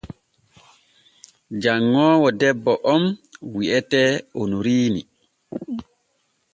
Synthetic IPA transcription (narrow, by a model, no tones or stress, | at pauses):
d͡ʒaŋːɔːwɔdɛbːɔʔɔmwiʔɛtɛonuɾiːnḭ